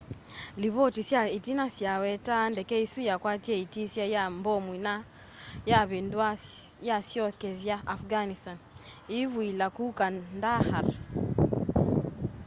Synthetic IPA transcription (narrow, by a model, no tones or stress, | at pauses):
liβɔtisjaitinasjawɛtandɛkɛisujakwatjɛitisjajambɔmwina | jaβendwajasjɔkɛβjaʔafɡanistaniβwilakukandahaɾ